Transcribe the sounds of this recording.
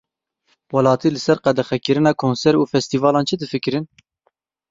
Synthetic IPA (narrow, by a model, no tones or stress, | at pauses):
wɑlɑːt̪ʰiːlɨsɛɾqɛd̪ɛxɛkɨɾɨnɑːkʰoːnsɛɾuːfɛst̪iːvɑːlɑːnt͡ʃʰɨd̪ɨfɨkɨɾɨn